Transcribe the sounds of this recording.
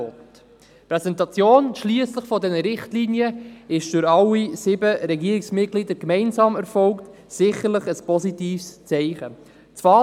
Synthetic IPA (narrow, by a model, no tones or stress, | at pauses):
t̪ | pɾɛsɛntɑt͡sjoːnʃliəsləχfɔdɛnəɾɪχtliːnjəɪʃd̥ʏɾɑlːisɪbəɾɛɡiəɾɪksmɪt̚ɡ̥lidəɾkmɛɪnsɑːmɛɾfɔlkt | sɪχəɾləχəspɔsitiːfst͡sɛɪχə | t͡svɑː